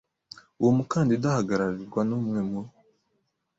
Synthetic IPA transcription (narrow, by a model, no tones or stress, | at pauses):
uwomukaːndidahaɡaɾaɾiɾɡwanuːmŋemo